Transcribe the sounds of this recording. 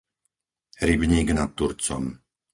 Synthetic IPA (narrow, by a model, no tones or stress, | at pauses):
ɾibɲiːɡnat̪ːuɾt͡sɔ̰m